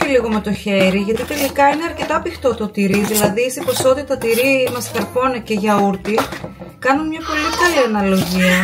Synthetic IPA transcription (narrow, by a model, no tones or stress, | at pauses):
iliɣo̞me̞t̪o̞çe̞ɾiʝɐt̪it̪e̞likɐine̞ɐɾce̞t̪ɐpixt̪o̞t̪ot̪iɾiðilɐðisiposo̞ðiɐt̪ɐt̪iɾimɐskɐɾpo̞neceʝɐuɾt̪i | kɐnunmɲɐpo̞likɐliɐnɐlo̞ʝiɐ